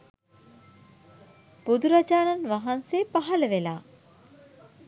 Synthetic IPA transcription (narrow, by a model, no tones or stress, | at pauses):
b̥ud̪uɾad͡ʒaːnanʋaɦanseːpaɦɐləʋelaː